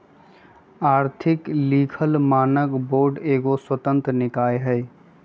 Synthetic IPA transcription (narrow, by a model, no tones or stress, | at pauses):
aːɾt̪ʰɪkliːkʰəlmaːnəkboːɾɖeːɡoswət̪ə̃nt̪ɾənɪkaːeɦəj